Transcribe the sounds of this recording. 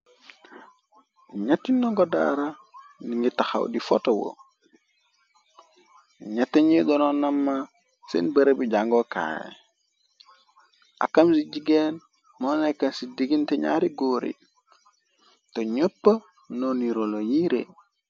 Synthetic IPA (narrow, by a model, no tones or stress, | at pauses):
ɲatːinːoŋɡoda̰ɾaniŋitaxa̰wdifotowo̰ | ɲatːeɲiɡɔnonɐmːa | sḭnbəɾebiɟaŋɡoka̰ːjḛ | ʔa̰kamsiɟiɡen | monekansidiɡinteɲa̰ɾiɡoɾḭ | toɲopːə | noniɾolojiɾḛ